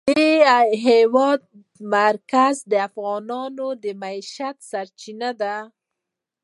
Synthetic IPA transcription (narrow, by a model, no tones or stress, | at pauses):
d̪eɦewɑd̪̚ | maɾkazd̪əafɣɑnɑnod̪əmaiʃat̪saɾt͡ʃinad̪a